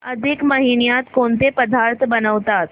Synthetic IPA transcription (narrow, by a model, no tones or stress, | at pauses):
əd̪ʱikməɦinijat̪kont̪epəd̪ʱaɾt̪ʰbənəʋt̪at̪